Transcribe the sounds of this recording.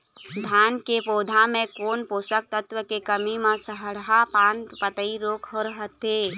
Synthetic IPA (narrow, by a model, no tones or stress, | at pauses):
d̪ʱankepod̪ʱamekonposək̚t̪ət̪ʋəkekəmimasəɦəɽɦapanpət̪əiɾokɦoɾəɦət̪e